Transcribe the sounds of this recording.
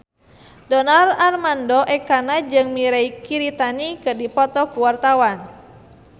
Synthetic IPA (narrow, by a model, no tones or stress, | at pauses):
dɔnararmandɔʔɛkanad͡ʒɨŋmiɾɛikiɾit̪anikɨrdipɔt̪ɔkuwart̪awan